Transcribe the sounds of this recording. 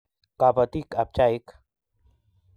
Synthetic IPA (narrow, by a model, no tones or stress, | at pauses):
kaːpət̪ikɐp̚t͡ʃaːik